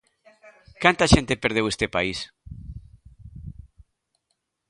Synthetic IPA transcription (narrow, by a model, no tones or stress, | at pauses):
kant̪aʃent̪epeɾð̞ewest̪epais